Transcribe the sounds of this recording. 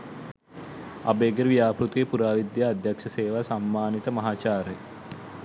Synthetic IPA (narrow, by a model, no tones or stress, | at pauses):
ɐ̰beːɡeɾʋijaːpɾut̪ujepuɾaːʋid̪jaːd̪ʱjakʂɐseːʋasamːaːnit̪əmɐɦaːt͡ʃaːɾej